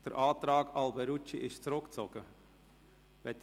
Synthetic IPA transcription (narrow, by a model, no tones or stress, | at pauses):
d̥əɾʔɑːt̪ɾɑːɡɑlbɛɾut͡ʃiʔɪʃt͡sɾʊkt͡sɔɡ̥ə | ʋɛt̪